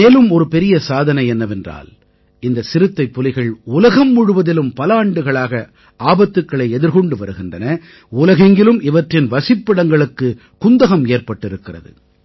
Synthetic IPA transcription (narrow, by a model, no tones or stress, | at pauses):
eːlɯmɔɾɯpɛɾɪjɐsaːðɐnɐɪɛnːɐʋɛndra̰ːl | ɪnd̪ɐsɪɾɯt̪ːɐɪpːɔlɪɣɐɭʊlɐɣɐmːʊɽɯʋɐðɪlɯmpɐlaːɳɖɯɣɐɭaːɣɐ | ʔaːbɐt̪ːɯkːɐɭɐɪɛðɪɾɣɔɳɖɯʋɐɾɯɣɪndrɐnɐ | ʊlɐɣɐŋɡɪlɯmɪʋɐʈrɪnʋɐsɪpːɪɽɐŋɡɐɭɯkːɯ | kʊnd̪ɐɣɐmeːɾpɐʈːɪɾɯkːɪrɐ̰ðɯ̰